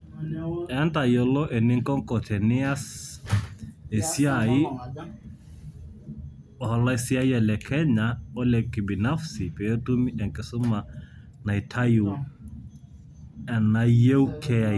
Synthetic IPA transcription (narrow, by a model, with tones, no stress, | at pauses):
ɛa˦nta˨jɔ˨lɔ˦ʔe˨nɪ˦ŋkɔ˦ŋkɔ˨tʰɛ˨nɪ˦a˦s | e˨siai˦ | ɔ˨hɔ˨la˦e˨si˦a˦ja˨lɛ˨kʰɛ˦ɲaɔ˦lɛ˨kɪ˨bi˨na˦fsi˨pɛ˨jɔ˦tu˦mi˦ʔɛ˨ŋkɪ˨sʊ˦ma˨ | na˨jtʰa˦ju˨ | ɛ˨nːa˨je˦wkʰɛa